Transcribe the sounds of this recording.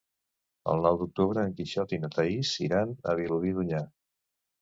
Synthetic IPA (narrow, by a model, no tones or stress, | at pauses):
ə̰lˠnɔwd̪uk̚t̪uβɾəːŋkiʃɔt̪inət̪əisiɾanə̰βiluðiðuɲa